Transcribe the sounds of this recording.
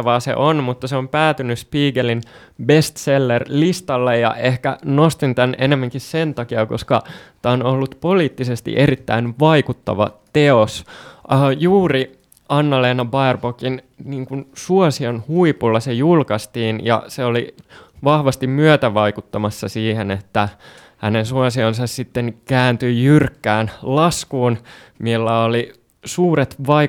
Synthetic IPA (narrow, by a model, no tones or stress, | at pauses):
ʋɑːsḛʔonmut̪ːɑseompæːt̪ynyspiːɡelin | best̪selːerlist̪ɑlːejjɑ̰ʔehkæ̰nost̪int̪ænʔenemːæŋkissent̪ɑkiɑkoskɑt̪æːonolːut̪poliːt̪ːisest̪ḭʔeɾit̪ːæ̰inʋɑikut̪ːɑ̰ʋɑ̰t̪eosəːjuːri | ɑnːɑleːnɑbɑerbokin | niːŋkunsuosionhuipulːɑsejulkɑst̪iːnjɑ̰seoliʋɑhʋɑst̪immyøt̪æʋɑikut̪ːɑmɑsːɑsiːhenet̪ːæ | hænensuɑsionsɑssit̪ːeŋkæːnt̪yjyrkːæːnlɑskuːnmilːæoli | suːɾet̪ʋɑ